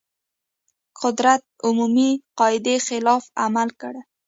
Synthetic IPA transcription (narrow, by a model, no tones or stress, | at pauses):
qʊd̪ɾat̪̚ʊmumiqɑɪd̪exɪlɑfamalkəɽ